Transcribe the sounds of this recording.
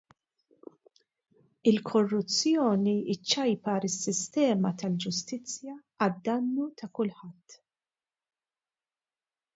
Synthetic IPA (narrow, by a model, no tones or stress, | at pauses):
ɪlkʰɔrːʊt͡sːjɔːniɪt͡ʃːɐjpɐɾɪsːɪst̪ɛːmɐt̪ɐld͡ʒʊst̪ɪt͡sːjɐː | d̪ːɐnːut̪ɐkʊlħɐt̪ː